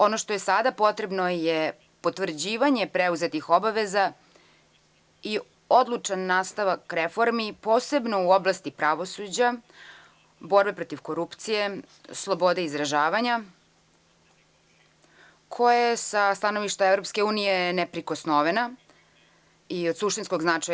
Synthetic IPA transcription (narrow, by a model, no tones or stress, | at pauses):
o̞noʃt̪ojesad̪apo̞t̪ɾe̞bno̞je | pot̪ʋvr̩d͡ʑiːʋaɲe̞pɾeuze̞t̪ixo̞baʋeza | i | o̞d̪lˠut͡ʂanːaːst̪aʋakɾefo̞ɾmipo̞ːse̞bno̞uoblˠast̪ipɾaʋo̞sud͡ʑa | bo̞ɾbe̞pɾo̞t̪iʋko̞ɾupt̪sije̞ | slˠo̞bo̞d̪eizɾaʒaːʋaɲa | kʰo̞jasast̪ano̞ʋiʃt̪aevɾopske̞uːnije̞nepɾiko̞snoʋena | iod̪suʃt̪insko̞ɡznat͡ʂaj